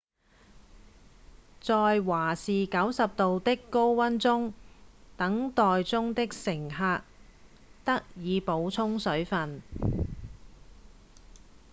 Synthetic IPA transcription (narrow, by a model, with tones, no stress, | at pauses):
t͡sɔː˧jwaː˨˩siː˨kɐ˨˥wsɐ˨p̚t̪o˨wt̪ɪ˥kːo˥wwɐ˥nt͡sʊ˥ŋt̪ɐ˨˥ŋt̪ɔː˨jt͡sʊ˥ŋt̪ɪ˥k̚sɪ˨˩ŋɦaː˧k̚ | t̪ɐ˥k̚jiː˨˧po˨˧wt͡sʰʊ˥ŋsɵ˨˥ɥfɐ˨n